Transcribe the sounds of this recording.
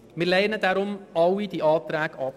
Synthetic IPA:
mirlɛjənətdæːɾɔmɑwidiʔɑːtɾækɑː

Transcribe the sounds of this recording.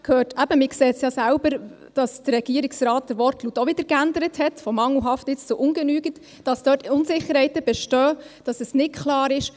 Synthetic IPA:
kʰøːtæb̥əmɪksɛːtsjɑːsælʊbəɾ | d̥ɑsd̥ərːɛɡ̥iəɾɪksrɑːt̚d̥əɾʋɔrtlutɔʋɪd̥əɾkændəɾəthɛtfɔmɑŋlɦɑftɪt͡st͡sʊʔʊnɡənyːɡət | d̥ɑsd̥œːtʊnsɪχəɾhɛɪtəb̥ɛʃtœːd̥ɑsəsnɪtkʰχlɑːɾɪʃ

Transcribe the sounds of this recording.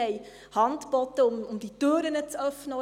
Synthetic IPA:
ɛj | hɑntb̥ɔtəʊmʊmdityːɾənət͡sœfnə

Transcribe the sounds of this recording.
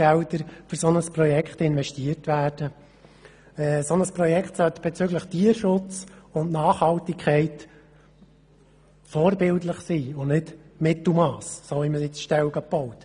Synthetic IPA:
ɛldəɾfʏɾsɔnəspɾɔjɛkχtɪnʋɛʃtiərtʋæːɾd̥ə | ɛːsɔnəspɾɔjɛkχt̪sœt̪b̥ɛt͡sʏɡləχtiːəɾʃʊt͡sʊntnɑːχhɑltikχɛɪt | fɔːɾbɪltləχsiːʊnɪdmɪt̪l̩mɑːssoːhiməsɪt͡sʃtɛlɡɑpɔʊt̪

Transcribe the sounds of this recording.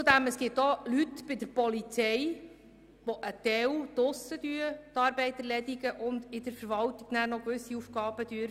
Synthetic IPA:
t͡sud̪æməsɡ̥ɪp̚tolytb̥ɪd̪əɾpɔlit͡sɛj | ʋɔʔət̪ɛwd̥̪ʊsəd̪yət̪ɑːɾbɛɪt̪əɾlɛd̪iɡəʔʊnd̪ɪd̥̪əɾfəɾʋɑlt̪iɡ̥næːɾnɔkʋɵsːiufɡɑːb̥əd̥̪yəɾ

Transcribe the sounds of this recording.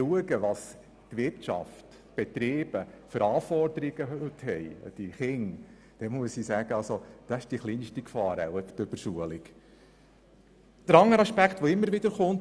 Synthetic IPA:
uəɡəʋɑs | t̪ʋɪɾtt͡ʃɑ̰ft | b̥ɛt̪ɾeːb̥əfəɾɑːfɔrd̪əɾiɡ̥əɦʉt̪hɛjd̥iχɪŋ | d̥ɛmuəsisæːɡ̥əɑlsod̥ɑɪʃd̥iχliːnʃtikfɑːɾæ̰wɛpt̪øb̥əɾsuəliɡ̥ | d̥əɾɑŋːəɾɑʃpækχt̪ʋɔɪmːəɾʋɪd̥̪əɾχʊnt

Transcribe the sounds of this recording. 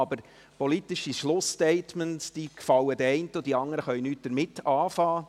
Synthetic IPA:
ɑbəɾ | pɔlit̪iʃiʃlʊstɛɪtmənsd̥ikfɑwədəɛɪntəod̥iɑŋːəɾəχœʏnyːt̚d̥əɾmɪtːɑːfɑː

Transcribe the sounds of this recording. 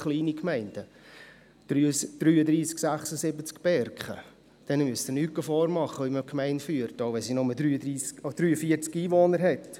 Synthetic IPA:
χliːnikmɛɪnd̥ə | d̥yd̥ɾyːədɾiːsksæχsəsɪbət͡skb̥ɛɾkχə̰ | d̥ɛnmyəst̪ənykəfɔːɾmɑχəiməkʰmɛɪntfyːəɾtoʊvɛnsinʊmədɾyːədɾiːsod̥ɾyːəfiəɾt͡skiːvoːnəɾɦɛt

